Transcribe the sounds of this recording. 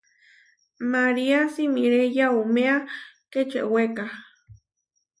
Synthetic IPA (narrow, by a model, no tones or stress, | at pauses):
maɾiasimiɾejaumeaket͡ʃḛʔweka